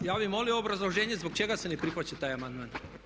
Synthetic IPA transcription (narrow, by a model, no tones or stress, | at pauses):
jaːʋimo̞lioobɾazlˠoʒeːɲezboɡ̚t͡ʃe̞ɡasenepɾixʋat͡ɕet̪aːjamand̪maːn